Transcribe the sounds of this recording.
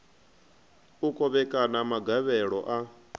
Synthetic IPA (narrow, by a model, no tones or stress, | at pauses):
ukʼɔβɛkʼanamaɡaβɛɺɔʔa